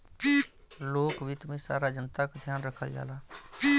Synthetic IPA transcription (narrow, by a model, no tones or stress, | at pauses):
loːkbʱit̪mẽsa̰ːɾad͡ʒənt̪akad̪ʱjaːnɾəkʰəld͡ʒa̰ːlaː